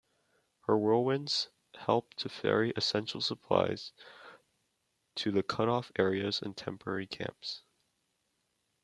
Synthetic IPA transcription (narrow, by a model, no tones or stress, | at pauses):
hə˞wɜ˞lˠwɪ̃nz̥ | hɛlˠp̚tʰɨfɛ̰ɹiʔɨsɛ̃nʃl̩ˠsəpʰl̥a̰ɪz̥ | tʰɨðɨkʰʌɾɔfɛɹiɨzɨ̰̃ntʰɛ̰̃mpə˞ɛɹikʰæ̰̃mps